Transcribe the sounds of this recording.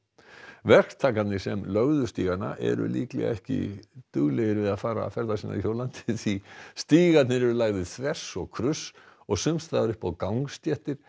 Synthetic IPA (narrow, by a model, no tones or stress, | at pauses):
vɛr̥kt̪ʰaːkat̪nɪsɛmlœɣðʏst̪iːɣat̪na̰ʔɛ̰ɾʏ̰liːklɛ̰ɣaɛhcɪ̰t̪ʏɣlɛɣɪɾvɪðaðfaːɾa̰fɛɾðasiːna̰çowlant̪ɪθist̪iːɣat̪nɪɾɛɾʏlaːɣðɪðθɾɛsɔɣkʰɾʏsɔɣsʏmst̪aðaɾʏhpawkawŋst̪jɛht̪ɪɾ̥